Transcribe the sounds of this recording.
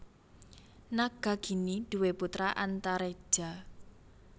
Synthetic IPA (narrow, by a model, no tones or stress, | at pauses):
naɡ̥a̤ɡ̥i̤nid̪̥uweput̪ɾaʔant̪aɾe̥ʒ̥a̤